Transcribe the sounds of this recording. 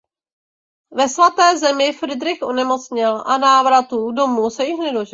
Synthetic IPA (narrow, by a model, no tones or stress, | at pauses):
vɛsvat̪ɛːzɛmɪfɾɪdɾɪxʔonɛmo̞t͡sɲɪlʔanaːvɾat̪udo̞muːsɛjɪxnɛdoʒɛ